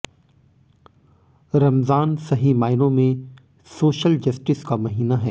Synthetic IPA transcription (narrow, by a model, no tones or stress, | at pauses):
ɾɐmzaːnsɐɦimaːɪnõmẽ | soːʃəld͡ʒɐsʈɪskamɐɦiːnaɦɛ̰ː